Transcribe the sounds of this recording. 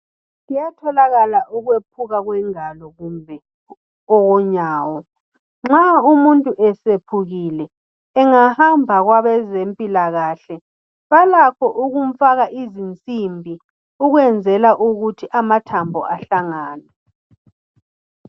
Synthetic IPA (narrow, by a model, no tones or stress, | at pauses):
ŋijatʰɔlaɣalaʔuɣwep̚ʰuɣaɣwɛŋalɔɣumbʱɛ | ɔɣɔɲaːwɔ | ŋ͡ǁaumuntʼuʔɛsepʰuɣilɛː | ŋahambʱaɣwaβɛzempʼilaɣaːɬɛ | βalakʰɔʔuɣum̩faɣaʔizint͡sʼimbʱi | uɣwɛnd͡zʱɛlaʔuɣutʰiʔamatʰambʱɔʔaɬaŋaːnɛ